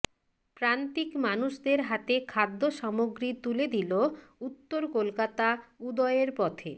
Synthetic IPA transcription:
pɾant̪ikmanuʃd̪eɾɦat̪ekʰad̪ːoʃɔmoɡɾit̪uled̪ilout̪ːoɾkolkat̪aud̪ɔeɾpɔt̪ʰe

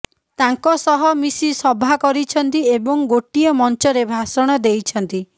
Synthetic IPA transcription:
t̪aŋkɔsɔɦɔmisisɔbʱakɔɾit͡ʃʰɔnt̪iebɔŋɡoʈiɔmɔnt͡ʃɔɾebʱasɔɽ̃ɔd̪ejt͡ʃʰɔnt̪i

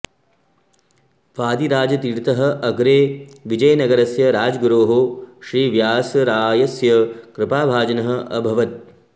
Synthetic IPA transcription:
ʋaːd̪iɾaːd͡ʒɐt̪iɽt̪ɐɦɐ̆ʔɐɡɾeːʋid͡ʒɐjɐnɐɡɐɾɐsjɐɾaːd͡ʒɡɾoːɦoʃɾiːʋjaːsjɐɾaːjɐsjɐkɾɪpaːbʱaːd͡ʒɐnɐɦɐ̆ʔɐ̰bʱɐʋɐt̪̚

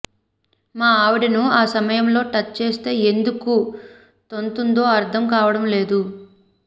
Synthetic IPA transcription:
maːaːʋuɽinuaːsɐmɐjɐmlo̞ːʈɐt͡ʃːt͡ʃe̞ːst̪e̞ːend̪uku | t̪o̞nt̪und̪o̞ːɐɾt̪ʰɐmkaːʋɐɽɐmle̞ːd̪u

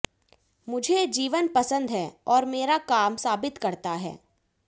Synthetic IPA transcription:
mʊd͡ʒʱed͡ʒiːʋənpɐsə̃nd̪ɦɛːɔːɾmeːɾakaːmsaːbɪt̪kɐɾt̪aɦɛ̰ː

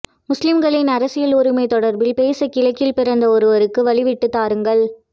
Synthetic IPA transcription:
mʊslɪmɡɐɭɪnɐɾɐsɪjɐloɾɯmɐɪt̪ɔɽɐɾbɪlpeːsɐkːɪlɐɪkːɪlpɪɾɐnd̪ɐɔɾɯʋɐɾɯkːɯʋɐɭɪʋɪʈːɯt̪ːaːɾɯŋɡɐɭ

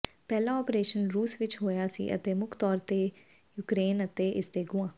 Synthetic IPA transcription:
pɛːlãːɔːpɾeːʃənɾuːsʋɪt͡ʃɦoːjaːsḭːʔə̰t̪eːmʊkʰt̪ɔːɾt̪eː | juːkɾeːnət̪eːʔɪsd̪eːɡʊãː

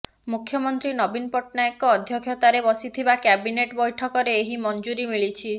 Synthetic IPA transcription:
mukʰːjɔmɔnt̪ɾinɔbinpɔʈnaekɔːd̪ʱjɔkʰjɔt̪aɾebɔsit̪ʰibakɛbineʈbɔjʈʰɔkɔɾeːɦimɔnd͡ʒuɾimiɭit͡ʃʰi

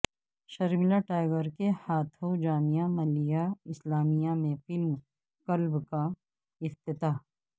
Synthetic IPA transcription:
ʃɐɾmɪlaʈaːɪɡəɾkehaːt̪ʰod͡ʒaːmijamɐlijaɪslaːmijamẽfɪlm | kɐlbka | ɪft̪ɪt̪aː

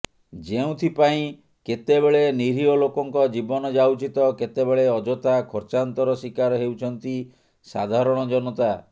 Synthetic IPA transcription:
d͡ʒeũt̪ʰipaĩ | ket̪ebeɭeniɾiɔlokɔŋkɔd͡ʒibɔnɔd͡ʒawt͡ʃit̪ɔket̪ebeɭeɔd͡ʒɔt̪akʰɔɾt͡ʃant̪ɔɾɔsikaɾɔɦewt͡ʃʰɔnt̪i | sad̪ʱaɾɔɽ̃ɔd͡ʒɔnɔt̪a

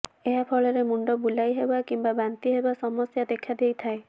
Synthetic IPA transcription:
eɦapʰɔɭɔɾemuɳɖɔbulajɦebakimbabant̪iɦebasɔmɔsjad̪ekʰad̪ejt̪ʰae

